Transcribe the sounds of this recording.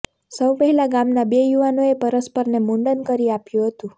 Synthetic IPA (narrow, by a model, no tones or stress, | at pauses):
səwpəɦɛlaɡamnabejuʋanoepəɾəspəɾnemuɳɖənkəɾiapjũɦət̪ũ